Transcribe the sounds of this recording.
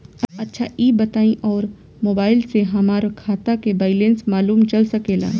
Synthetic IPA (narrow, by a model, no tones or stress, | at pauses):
ɐɐtːʃʰaʔiːbɐt̪aːĩʔɔːɾ | moːbaːɪlseɦɐmaːɾkʰaːt̪akebaːɪlẽːnsmaːluːmt͡ʃɐlsɐkeːlã̰ː